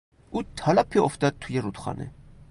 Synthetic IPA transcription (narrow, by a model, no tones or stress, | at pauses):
ut̪ʰalapʰiɔft̪at̪ʰujɛrut̪ʰχɑ̰nɛ̰